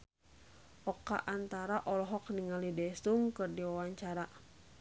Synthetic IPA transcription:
ʔɔkːa̰ʔant̪aɾaʔɔlɔɦɔk̚niŋalidɛsuŋkɨrdiwawaɲt͡ʃaɾa

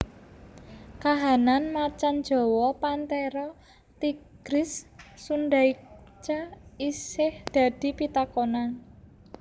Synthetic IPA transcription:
kaɦananmat͡ʃan̥d͡ʒ̥ɔ̤wɔpant̪ɛɾɔ | t̪iɡ̥ɾɪsːunɖaikt͡ʃaisɪhd̪̥a̤d̪̥i̤pit̪akona

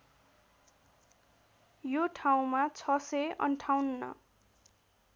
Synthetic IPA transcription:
joʈʰaw̃mat͡sʰʌsʌjʔʌ̰ɳʈʰawnnʌ̰

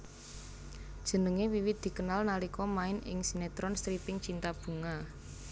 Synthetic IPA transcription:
d̥ʒ̥ə̤nəŋewiwɪt̪̚d̪̥i̤kənalnalikɔmaɪnɪ̰ŋsinet̪ɾɔnst̪ɾipɪŋt͡ʃint̪ab̥ṳŋa

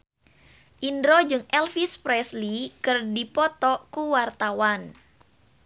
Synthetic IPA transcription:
ʔindɾod͡ʒɨŋʔɛlfispɾɛslikɨrdipɔt̪ɔkuwart̪awan

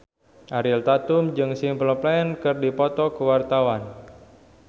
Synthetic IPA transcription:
ʔaɾɪlt̪at̪ʊmd͡ʒɨŋsimplɔplaɛnkɨrdipɔt̪ɔkəwart̪awan

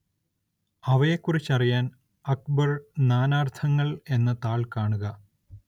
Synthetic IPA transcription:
ɐʋɐjekːurit͡ɕːɐrijaːn | ɐk̚bɐrnaːnaːrt̪ʰɐŋːɐɭe̞nːɐt̪aːɭkaːɳuɣɐ

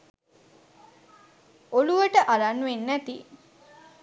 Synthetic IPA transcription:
oluʋəʈəʔalanːuʋenːæt̪i

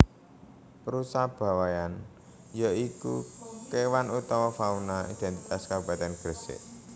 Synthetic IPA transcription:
pəɾusahb̥a̤wajan | jaikṵkewanut̪ɔwɔfaunaid̪̥ɛ̤nt̪it̪askab̥a̤t̪ɛnɡ̥əɾsɪ̰ʔ

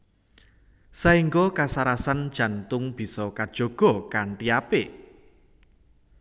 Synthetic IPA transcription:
saiŋɡɔkasaɾasand̥ʒ̥ä̤nt̪ʊŋb̥i̤sɔkad̥ʒ̥o̤ɡ̥ɔ̤kaɳʈiape

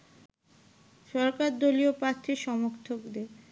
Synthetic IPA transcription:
ʃɔɾkaɾd̪oliopɾaɾt̪ʰːiʃɔmoɾt̪ʰokd̪e

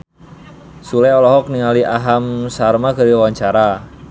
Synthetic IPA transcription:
sulajɔlɔɦɔk̚niŋaliʔaɦamsarmaɡaɾiwawaɲt͡ʃaɾa

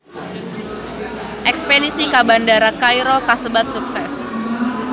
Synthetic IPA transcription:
ʔɛkspedisikabandaɾakajɾɔkasəbat̪̚suksɛs

